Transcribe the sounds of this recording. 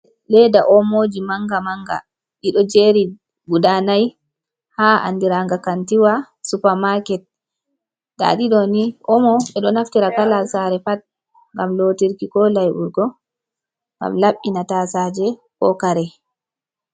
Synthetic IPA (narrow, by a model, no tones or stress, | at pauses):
lɛdaʔɔmod͡ʒimaŋɡamaŋɡa̰ | ɗiɗɔd͡ʒeɾi | ɡuɗanaj | haʔa̰ndiɾaŋɡakantiwa | supaɾmakɛt̚ | da̰ɗiɗɔniʔɔmɔɓɛɗɔnaftiɾakalalsaɾɛfat̚ | ŋɡamloːtiɾkikɔlajʔuɾɡɔ | ŋɡa̰mlaɓːinatasad͡ʒɛ | kɔkaɾɛ